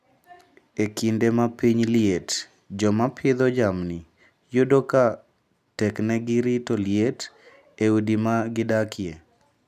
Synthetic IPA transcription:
ekindemapiɲliet | d͡ʒɔmapʰɪd̪ɔd͡ʒamni | jodoka | tɛknɛɡɪɾitɔljet | eudimaɡɪdakje

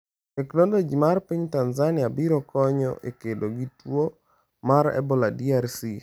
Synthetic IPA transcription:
eklondod͡ʒimarpiɲtanzanɪjabiɾɔkɔɲɔ̰ʔḛkedoɡitwo | maɾɛ̰bɔladiarsi

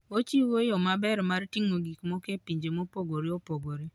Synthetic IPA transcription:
ot͡ʃiwojomabɛɾmartiŋoɡikmokepiɲd͡ʒemopoɡoɾiopoɡoɾi

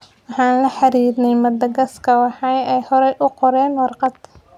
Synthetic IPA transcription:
wɑħɑːnlɐħɑɾiːd̪nɛjmɐd̪ɐɡɐskʰɐwɑħɑjɛjhɔɾɛjʔʊqɔɾɛːnwɑrqɑd̪

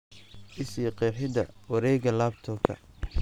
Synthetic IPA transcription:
ʔɪsiːqɛːħɪd̪ɐ̰wɐɾɛːɣɐlaːbt̪ʰɔkʰɐ̰

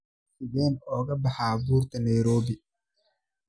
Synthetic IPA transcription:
sibɛːnɔːɡɐbɐhaːbuːɾt̪ɛnajɾoːbi

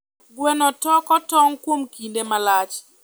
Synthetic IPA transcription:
ɡwɛnɔtɔkɔtɔŋkwomkindemalat͡ʃ

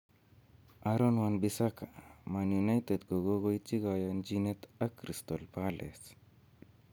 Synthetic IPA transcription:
aɾɔnwanbisakamanjunajt̪ed̪ɡoɡoɡojt͡ʃiɡɔjɔnd͡ʒinet̪akɾist̪ɔlpalʔḛs

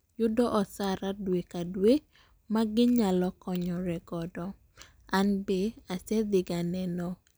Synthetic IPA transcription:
jʊdɔʔɔsaɾadwekadwe | maɡɪɲalɔkɔɲɔɾɛɡɔdɔ | anbeasɛd̪ɪɡanɛnɔ

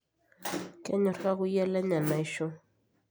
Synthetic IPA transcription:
kanoɾɢɑɢʊjalanamajʃʊŋ

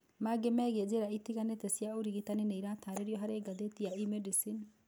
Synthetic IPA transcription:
maɡɛmɛɡɛd͡ʒɛɾait̪ːikanːɛt̪ɛsɪjauɾiɡit̪aninɛjɾaːt̪ʰaːɾɛɾiɔɦɐɾɛɡɐd̪ɛt̪ːijaʔimɛɖisin

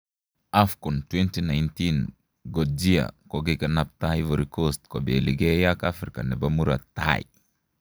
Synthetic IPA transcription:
afkɔntwɛntinajntin | ɡɔd͡ʒia̰kɔɡekanap̚tajvoɾikostkɔbeliɡejakafɾika̰nɛbamuɾa̰ta̰j

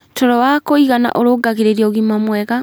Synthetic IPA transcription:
tʰɔɾɔwakoiɣana̰ʔoɾoɡaɣeɾeɾiɔɣimamwɛɣa

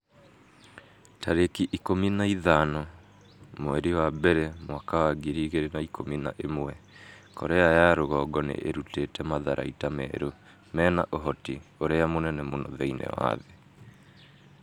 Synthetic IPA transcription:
taɾekiʔikominaiðanɔ | mowɛɾiwabɛɾɛmwakawaɡiɾiɣeɾenaikʰomina̰ʔemwɛ | kʰɔɾɛajaɾoɣɔːɡɔnḛʔeɾutetɛmaðaɾa̰itamɛ̰ːɾo | mɛːna̰ʔoɦɔtioɾɛamonɛnɛmonɔ̰ðɛinɛ̰wa̰ðe

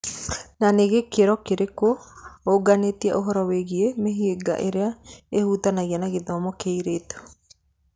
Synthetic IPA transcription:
naneɣekeɾɔkeɾekooɡanetiɛʔoɦɔɾɔweɣiemeɦieɡa̰ʔeɾeaehutanaɣɛnaɣeðɔmɔkeiɾeːto̥

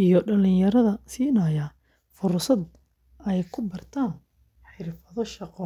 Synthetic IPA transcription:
ijɞɖɐlɪjɐɾɐðɐsiːnɐjɐ | fʊrsɐd̪ | ɛjkʰʊbɐrt̪ʰaːn | ħɪrfɐðɔʃɑqɔː

